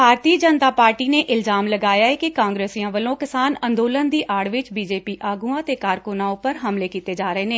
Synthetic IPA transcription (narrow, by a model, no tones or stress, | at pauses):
bʱaːɾt̪iːd͡ʒənt̪aːpaːɾʈiːneːʔɪlzaːmləɡaːjaːɛːkɪkãːŋɡɾeːsiãːʋəlõːkɪsaːnə̃nd̪oːlənd̪iːʔaːɽʋɪt͡ʃbiːd͡ʒeːpiːʔaːɡuːãːt̪eːkaːɾkʊnãːʊpəɾɦəmleːkiːt̪eːd͡ʒaːɾəeːneː